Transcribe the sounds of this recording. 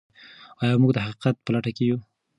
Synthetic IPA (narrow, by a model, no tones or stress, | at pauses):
ɑjɑmuɡd̪əhaqi̥qat̪̚pəlaʈakeju